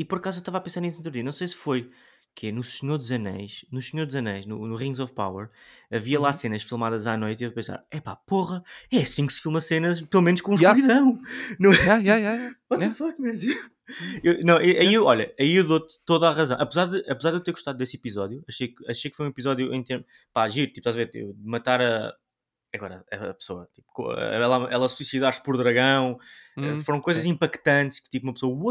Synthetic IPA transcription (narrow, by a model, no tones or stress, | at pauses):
ipɔɾɐkazuewʃt̪avapẽsaɾnis̬ẽnt̪ɾuðiɐnɐ̃w̃sejsfoj | kʰɛnusɲoɾd̪ʒɐnɐ̰jʃnusɲoɾd̪ʒɐnɛ̰jʒnṵnuʁĩŋɡzɔfpa̰wɐ̰ɾɐviɐlˠasenɐʃfilˠmaðɐzanojt̪iepẽsa̰ɾɛpa̰poʁɐɛɐsĩksfilˠmɐsenɐʃpelˠumẽnuʃkõũʃkuiðɐ̃w̃nɐ̃wajajajaɔɐ̃fakmɐz | ewnɐ̃w̃eʔɐiewɔʎɐɐiewðot̪t̪oðaʁɐzɐ̃w̃ʔɐpɨzaɾðɨʔɐpzaɾðewt̪eɾɣuʃt̪aðud̪esipizɔðjuɐʃejkɐʃɛjkfojũipizɔðjuʔḛ̃t̪eɾm | paʒiɾt̪ipʃt̪azɐveɾt̪ḭpd̪ɨmɐt̪aɾɐ | ɐɣɔɾɐ̰ɐɐpsoɐ̰t̪i̥pu̥kõ̰ɛlˠaɛlˠɐsuisiðaɾspɔɾðɾɐɣɐ̃w̃ɛfoɾɐ̃w̃kojzɐzĩmpɐkt̪ɐ̃nt̪ʃkɨ̥t̪ipumɐpsoɐuo